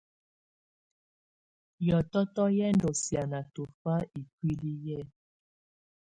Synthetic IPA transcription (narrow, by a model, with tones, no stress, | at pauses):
jɔ˨tɔ˦tɔ˦jɛ˦ndo˨sja˨na˨to˨fa˦i˨kwi˦li˦jɛ˦˨